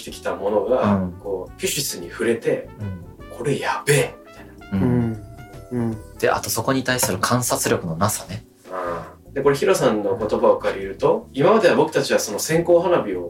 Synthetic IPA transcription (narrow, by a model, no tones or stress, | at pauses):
t̪e̞kʲi̥t̪amo̞no̞ɡako̞ːpʲiɕisɨɲ̟iɸɯ̟ɾe̞t̪e̞ | kʰo̞ɾe̞jabe̞ːmʲi̥t̪aijnaɯ | d̪̥e̞̰ʔa̰t̪o̞so̞ko̞ɲ̟it̪aisɨɾɯ̟kʰãɰ̃sat͡sɨɾʲjo̞kɯ̟no̞nasane | a | d̪̥e̞ko̞ɾe̞çiɾo̞sãnːo̞ko̞t̪o̞bao̞kaɾʲiɾɯ̟t̪o̞imamad̪e̞abo̞kɯ̟̥t̪at͡ɕiβaso̞no̞sẽ̞ŋko̞ːɦanabʲio̞